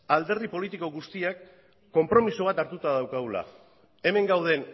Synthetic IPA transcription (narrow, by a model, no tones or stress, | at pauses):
ald̪e̞ɾðipo̞lit̪iko̞ɣust̪iakː | o̞mpɾo̞misoβ̞at̪aɾt̪ut̪aðawkaula̰ | e̞me̞ŋɡawð̞e̞n